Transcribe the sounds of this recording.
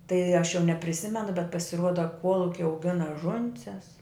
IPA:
tɐɪ ɐʃ jɛʊ nʲɛpʲrʲɪˈsʲɪmʲɛnʊ bʲɛt pɐsʲɪˈruɔdɐ ˈkuɔlˠʊkʲɪ ɐʊˈɡʲɪnɐ ˈʒʊnʲsʲɛs

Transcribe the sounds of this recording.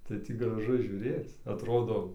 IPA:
tɐɪ ˈtʲiː ɡrɐˈʒʊ ʒʲuːˈrʲeːt͡s ɐtˈroːdoː

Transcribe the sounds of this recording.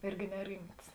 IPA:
ˈɪrʲɡʲɪ nʲɛˈrʲɪmts

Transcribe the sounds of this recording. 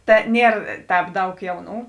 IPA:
ˈtɐ ˈnʲiɛr ˈtʲɛːp ˈdɐʊk ˈjɛʊˌnuː

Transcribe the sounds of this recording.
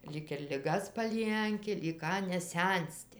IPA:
ˈlʲiːk ɪr lʲɪˈɡɐs pɐˈlʲiɛŋʲkʲɪ lʲiːk ˈkɑː nʲɛˈsʲɛnʲsʲtʲɪ

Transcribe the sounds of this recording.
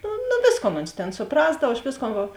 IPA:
noː noːˈʋʲeːsˌkoːn oːns tʲeːn sʊˈprɑːzdɐw ɐʃ ˈʋʲeːsˌkoːn ˈʋɐ

